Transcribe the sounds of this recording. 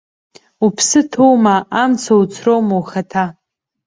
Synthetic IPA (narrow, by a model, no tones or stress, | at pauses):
upʰsɨtʰowmaamt͡sʰawt͡sʰrowmawχatʰa